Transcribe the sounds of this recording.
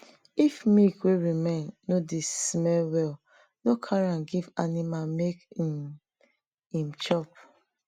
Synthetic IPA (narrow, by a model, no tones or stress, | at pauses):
ifmikweɹimẽnːodesmɛlwɛl | nokʰaɹãnɡivanimamekim | ĩmt͡ʃɔp